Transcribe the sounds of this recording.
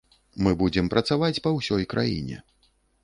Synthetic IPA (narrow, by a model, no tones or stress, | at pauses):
mɨbud͡zʲɛmpɾɐt̪savat͡sʲpɐwsʲɔjkɾʔa̰jḭnʲɛ̰